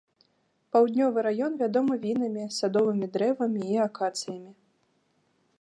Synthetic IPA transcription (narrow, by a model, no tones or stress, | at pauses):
pawd̪ʲnʲɔvɨɾajɔnvʲad̪ɔmɨvʲin̪ɐmʲisad̪ɔvɨmʲid̪ɾɛvɐmʲiːakat̪sɨjɐmʲi